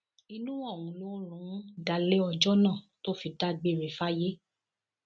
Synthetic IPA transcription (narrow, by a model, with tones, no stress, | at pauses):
i˧nũ˦ɔ˦˨wũ˨˧lo˦ɾ̃ũ˨˦da˧le˦ɔ˧d͡ʒɔ˦nã˦˨to˦fi˧da˦ɡ͡be˦˨ɾe˨fa˦je˦